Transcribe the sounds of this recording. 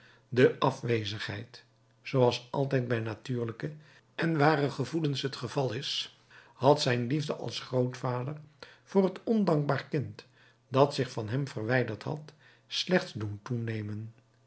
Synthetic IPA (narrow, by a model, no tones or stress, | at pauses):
dəʔɑfʋejzəχɦɛ̰jt | sowɑlˠsɑ̰lˠtɛjd̚bɛjnatyːɹləkə | ɛnʋaːrəχəvulənsɦətχəvɑlˠɪs | hɑtsɛjnlivdəʔɑ̰lˠsχrowtfaːdərv̥ʊːrɦətɔndɑŋɡ̚baːɹrkɪnt | dɑtsɪχfɑnɦɛmvərʋɛjdəɹtɦɑ̰t | slɛχtsduntunejmən